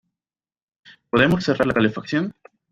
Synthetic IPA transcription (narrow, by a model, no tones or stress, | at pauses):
po̞ðe̞mosθeraɾlakalefakθjon